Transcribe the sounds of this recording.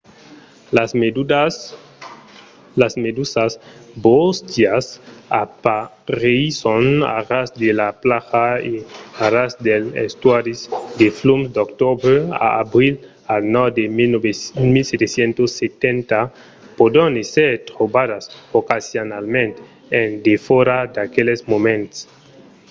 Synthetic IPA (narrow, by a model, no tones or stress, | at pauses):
as | lasmed̪usasbost̪jasapaɾeisona̰rasd̪elaplaxaiaɾasd̪elḛst̪waɾisd̪eflumsd̪okt̪obɾea̰a̰bɾil | alnawd̪e | milset̪esjent̪osːet̪ent̪a | pod̪oneseɾt̪ɾobadasokasjonalmẽnt̪eː | nd̪efoɾad̪akelesmomẽnt̪s